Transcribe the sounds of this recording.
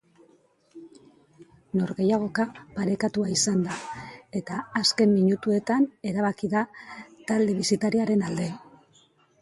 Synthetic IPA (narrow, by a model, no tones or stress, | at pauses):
no̞ɾɣe̞jaɣ̞o̞kapaɾe̞kat̪uaisand̪ae̞t̪aːske̞mːiɲut̪ue̞t̪ane̞ɾaβ̞akiðat̪ald̪e̞βisit̪aɾiaɾe̞nald̪e̞